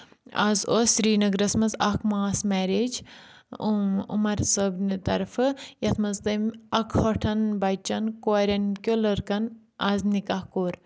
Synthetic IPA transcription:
a̰zoːsɾiːnɐɡɾɐsmɐnzɐkmaːsmɛːɾeːd͡ʒ | ṵmɐɾsəbnit̪ɐ̰ɾfɨjɐt̪ʰmɐzt̪ɐmɐkʰhoʈʰɐnbɐjt͡ʃɐnkaɾʲɐnkʲolɐɾkɐn | aznikɐhkoːɾ

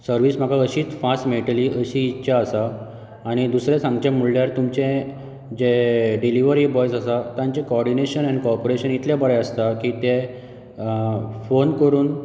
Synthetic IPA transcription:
səɾʋiːsm̤əɡaəɕiːt͡sfasʈmeʈəliːʔəɕiːtːɕaəsaː | ɽ̃id̪usɾesãŋɡt͡ɕẽmːuɭljaɾt̪umt͡ɕẽ | d͡ʑeɖiliʋəɾibɔjsasat̪ãɲt͡ɕekoɔɾɖineɕənanikɔɾpoɾeɕənit̪ljabəɭɛəst̪akit̪e | fonkəɾuːn

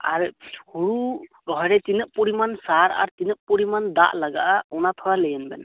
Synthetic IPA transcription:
a̰ɾihuɾu | ɾɔɦɔjɾɛt̪inəʔ̚puɾimansaɾa̰ɾt̪inəʔ̚puɾimand̪a̰ʔlaɡa̰ʔaɔnat̪ʰɔɾalejənbɛ̰n

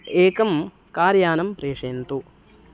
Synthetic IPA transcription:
eːkɐm | kaːɾjaːnɐmpɾeːʂeːnt̪u

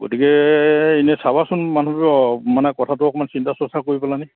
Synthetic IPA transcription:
ɡo̰tikɛinɛsabasʊnmanɦɔbiɔmanɛkɔtʰatʊɔkɔmansintasɔsakoɹipalanaj

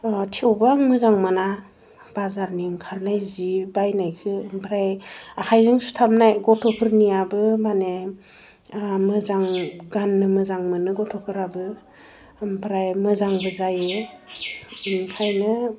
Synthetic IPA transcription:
tʰewbaŋmɯzaŋmana | b̥azaɾniŋkʰaɾnajzibajnajkʰɯmpʰɾajakʰajzɯŋsu̥tʰamnajɡɔtʰɔpʰɯɾnijabɯmane | mɯzaŋɡanːɯmɯzaŋmɯnɯɡɔtʰɔpʰɯɾabɯ | mpʰɾajmɯzaŋbɯzajɯ | mkʰajnɯ

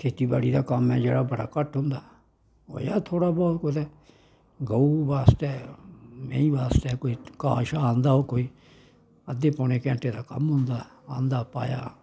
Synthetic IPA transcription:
kʰeːt̪iːbaːɽiːd̪aːkəmɛːd͡ʒḛːɽaːbəɽa̰ːkəʈɦʊ̃nd̪aː | o̰ːjaːt̪ʰoːɽaːbɔːt̪kod̪ɛː | ɡəuʋaːst̪ɛːmɛ̰̃ːĩːʋaːst̪ɛːkoːiːkaːʃaːãːnd̪aːɦoːkoːiː | əd̪eːpɔːneːkɛ̃ːɳʈeːd̪aːkə̰mɦʊ̃nd̪aːãːnd̪aːpa̰ːja̰ː

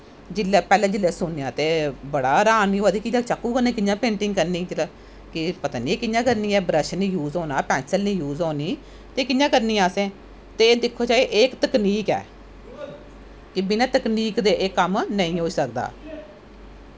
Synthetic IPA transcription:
d͡ʒɪlːɛːpɛːlẽːd͡ʒɪlːɛːsʊnːjãːt̪eːbəɽaːɾaːniːɦoːd̪iːkɪãːt͡ʃəkːũːkəɾnẽːkɪjãːpẽːɳʈɪ̃ŋɡkəɾniːd͡ʒlː | kɪpət̪aːnĩːkɪnjãːkəɾniːɛːbɾəʃnĩːjuːzoːnaːpɛːnsəlniːjuːzɦoːniː | t̪eːkɪnjãːkəɾnĩːɛːsẽː | t̪eːd̪ɪkʰːoːt͡ʃaːeʔeːkt̪əkniːkɛ̰ː | kɪbɪnãːt̪əkniːkd̪eːʔeːkːəmnəĩːɦoːiːsək̚d̪a̰ː

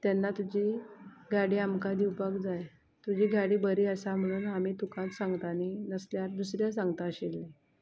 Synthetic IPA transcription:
t̪janːat̪ud͡ʑiːɡʱaɽiːamkad̪iwpakd͡zaj | t̪ud͡ʑiːɡʱaɽiːbəɾiːəsam̤əɽ̃uːnamiːt̪ukãt̪sãŋɡt̪aninəsljaɾd̪usɾjasãŋɡt̪aəɕelːe

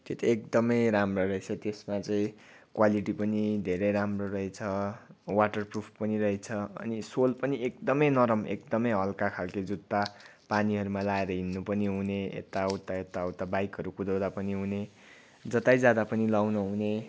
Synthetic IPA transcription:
t̪et̪iekd̪ʌmʌjɾamroɾʌet͡sʰʌt̪esmat͡saĩ | kwaliʈipʌnid̪ʱeɾejɾamrorʌɦet͡sʰʌwaʈʌrprupʰpʌniɾʌet͡sʰʌʌ̰nisolpʌniek̚d̪ʌmʌjnʌɾʌmḛkd̪ʌmʌjɦʌlkakʰalked͡zut̪ːapaniɦʌɾumalaeɾʌɦinːupʌniɦuneḛt̪ːawt̪aet̪ːaʌwt̪abajkɦʌɾukud̪ʌwd̪apʌniɦune | d͡zʌt̪ajd͡zad̪apʌnilawnʌɦune

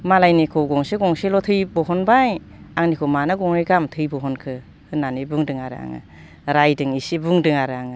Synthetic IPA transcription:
malajnikʰɯwɡɔŋseɡɔŋselɔtʰɯjbɔɦɔnbaj | aŋnikʰɯmanɯɡɔŋɾɯjɡamtʰɯjbɔɦɔnkʰɯ | hɯnanibuŋdɯŋaɾɯa̰ŋɯ̰ | ɾajdɯŋisibuŋdɯŋaɾɯaŋɯ

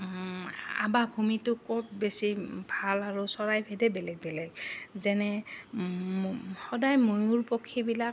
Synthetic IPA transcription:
a̰babʱumitʊkɔt̚besibʱalaɹusɔɹajbʱɛdɛbɛlɛɡ̚bɛlɛɡzɛnɛ | hɔdajmujuɹpokʰːibilak

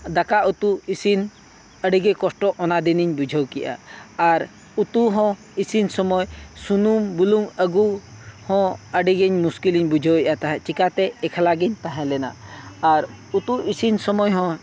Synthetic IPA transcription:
d̪akaʔut̪uisin | əɖiɡekɔsʈɔʔɔnad̪iniɲbud͡ʒʱəwkɛʔa̰ːɾ | ut̪uɦɔ̃ | isinsɔmɔjsunumbuluŋəɡuhɔ̃əɖiɡeɲmuskiliɲbud͡ʒʱəwɛʔat̪aɦɛ̃t͡ʃikat̪ɛːkʰalaɡiɲt̪ãɦɛ̃lɛna̰ːɾ | ut̪uisinsɔmɔjɦɔ̃

